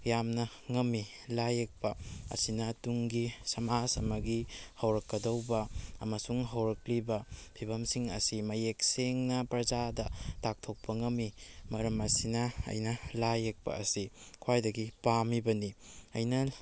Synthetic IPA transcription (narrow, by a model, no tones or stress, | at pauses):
jamnɐ | ŋɐmːilajek̚pɐɐ̰sinɐtuŋɡisɐmasɐmɐɡihɐwɾɐkːɐdɐwbɐːmɐsuŋɦɐwɾɐklibɐpʰibɐmsiŋɐ̰simɐjek̚seŋnɐpɾɐzadɐtak̚tʰok̚pɐŋɐmːimɐɾɐmɐsinɐɐ̰jnɐlajek̚pɐ̰ɐsikʰwajdɐɡipamibɐniɐjnɐ